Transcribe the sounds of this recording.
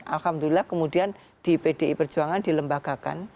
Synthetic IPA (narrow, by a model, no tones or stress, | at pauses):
ʔalhamdulilahkəmudian | d̥ipedeipərd͡ʒuaŋandiləmbaɡ̥aka̰n